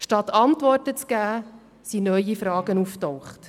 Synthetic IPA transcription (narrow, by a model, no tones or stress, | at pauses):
ʃtɑtɑntʋɔrtət͡sɡ̥æː | sinœjifɾɑːɡənuftɔwχt